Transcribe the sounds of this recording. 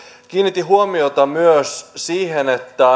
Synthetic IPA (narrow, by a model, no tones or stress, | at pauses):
k̟iːnːit̪ːiɦuomiot̪ɑmyøssiːhe̞ne̞t̪ːæ